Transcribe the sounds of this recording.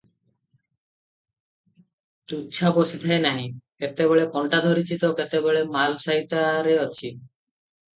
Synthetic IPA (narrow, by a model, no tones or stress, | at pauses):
t̪ut͡ʃʰabosit̪ʰaenaɦĩket̪ebeɭepɔɳʈad̪ʱoɾit͡ʃit̪ɔket̪ebeɭemalɔsaɦit̪aɾeɔt͡ʃʰi